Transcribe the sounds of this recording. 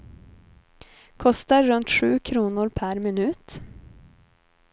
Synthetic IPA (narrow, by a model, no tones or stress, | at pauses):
kʰɔst̪aɾɵnt̪ɧʉːkʰɾuːnʊɾpʰæɾmɪnʉ̟ːt̪